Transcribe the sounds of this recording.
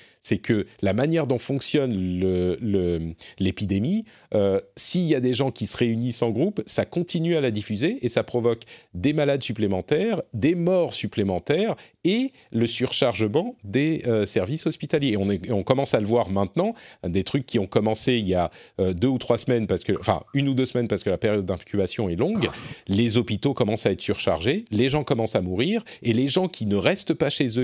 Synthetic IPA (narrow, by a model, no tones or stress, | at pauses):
sɛkʰəlamanjɛʁd̪ɔ̃fɔ̃ksjɔnlələlepid̪emi | øsiiljad̪eʒɑ̃kʲisəʁeynisɑ̃ɡʁupsakɔ̃t̪inyalad̪ifyzeʔːsapχɔvɔkd̪emalad̪syplemɑ̃t̪ɛʁd̪emɔʁsyplemɑ̃t̪ɛːʁe | ləsyʁʃaʁʒəmɑ̃d̪eøsɛʁvisɔspit̪aljeɔ̃neɔ̃kɔmɑ̃saləvwaʁmɛ̃t̪nɑ̃ɛ̃d̪et̪χykʲːiɔ̃kɔmɑ̃seiljaød̪øut̪χwasmɛnpaʁsə̥kəɑ̃fɛ̰̃ynud̪øsmɛnpaʁsə̥kəlapeʁjɔd̪̚ːɛ̃kʲybasjɔ̃ɛlɔ̃ɡlezɔpit̪okɔmɑ̃saɛt̪χəsyʁʃa̰ʁʒeleʒɑ̃kɔmɑ̃samuʁiʁeleʒɑ̃kʲʰinəʁɛst̪əpaʃezø